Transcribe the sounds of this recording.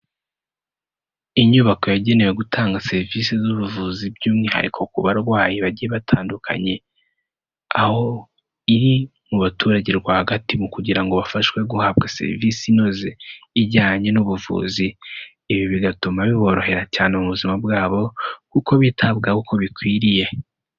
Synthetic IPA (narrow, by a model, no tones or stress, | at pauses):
iɲuβako̞jaɟe̞ne̞we̞ɡutʰaːŋɡase̞ɾvisezuβuvuzibɟuːmŋiha̰ɾḭkʰo̞kuβaɾɡwaːjiβaɟijeβatʰaːndukʰa̰ɲe̞ | aho̞ | iɾimuβatuːɾaɟiɾɡwaːhaɡatimukuɟiɾaŋɡo̞βafaʃwe̞ɡuhab̚ɡase̞̰ɾḭvisino̞zeːɟaːɲe̞nuβuvṵːziː | βiβiɡatumaβiβo̞ɾo̞he̞ɾacaːnemuβuzimabɡaːβo̞kuko̞βitʰabɡakukʰo̞βikwiːɾije̞